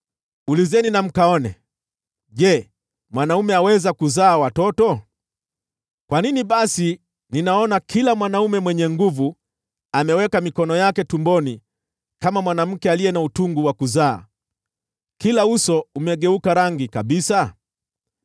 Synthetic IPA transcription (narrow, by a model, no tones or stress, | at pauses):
ulizɛninam̩kaɔnɛ̰ | ʄɛ | mwanaumɛawɛzakuzaːwatɔtɔ | kwaniniɓasi | ninaɔnakʰilamwanaumɛmwɛɲɛŋɡuvu | amɛwɛkamikɔnɔjakɛtumbɔni | kamamwanam̩kɛalijɛnautuŋɡuwakuza̰ː | kilausɔumɛɠɛukaɾaŋɡikaɓisa